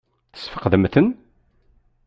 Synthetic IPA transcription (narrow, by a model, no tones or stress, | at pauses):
θə̥sfə̥qːðəmθən